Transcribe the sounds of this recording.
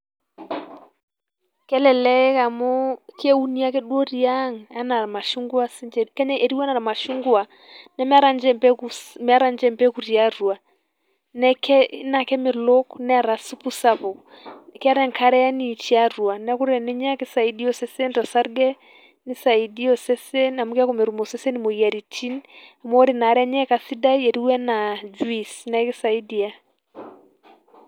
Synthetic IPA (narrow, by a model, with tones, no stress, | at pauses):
kɛ˦lɛ˨lɛ˦ka˨mɔ˦kɛ˦u˦ni˦a˦kɛ˦ɗwɔ˦ɾi˨a˦ŋa˦na˨ɾa˨ma˨ʃu˦ŋɡwa˦sɪ˦d͡ʒɛ˨kɛ˦ɲa˦ʔe˨ɾi˦a˦na˨ɾa˨ma˨ʃu˦ŋɡu˦a˨ | nɛ˦m˦a˦ɾa˨nd͡ʒɛ˦˨mpɛ˦kumɛ˨a˦ɾa˨nd͡ʒɛ˦˨mpɛ˦ku˨ɾi˨a˦ɾu˨a˨ | nɛ˦kɛ˦na˨kɛ˦mɪ˨lo˦knɛ˦a˨ɾa˨su˦pu˦sa˦pɔ˨ | kɛ˦a˦ɾɛ˦ŋkʰa˦ɾɛ˦a˦ni˨t͡ʃi˦a˦ɾu˨a˨nɛ˦ku˦ɾɛ˨nɛ˦ɲa˦kɪ˦sa˨i˦di˦ɔ˨sɛ˦sɛ˦ntɔ˨sa˦ɾɡɛ˦ | nɪ˦sa˨i˨di˦ɔ˨sɛ˦sɛ˦na˨mu˦ka˦ko˦mɛ˨ɾu˨mɔ˨sɛ˦sɛ˦nimo˨ja˨ɾi˨tʰi˦na˨m˦ɔ˦ɾɪ˨na˨ɾɛ˦a˦ɲɛ˦ka˨si˦da˦i˦ɛ˨ɾi˦wɛ˦na˨d͡ʒu˦i˦snɛkɪ˦sa˨i˦di˨a˨